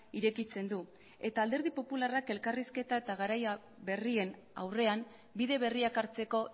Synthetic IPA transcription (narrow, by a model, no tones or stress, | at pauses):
iɾe̞kit͡se̞nd̪u | e̞t̪aːld̪e̞ɾð̞ipo̞pularake̞lkariske̞t̪ae̞t̪aɣ̞aɾaja | βe̞rie̞n | a̰wre̞am | biðe̞βe̞riakaɾt͡se̞ko̞